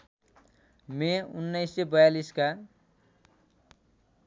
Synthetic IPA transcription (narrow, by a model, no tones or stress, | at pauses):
meunːʌjsebʌjaliska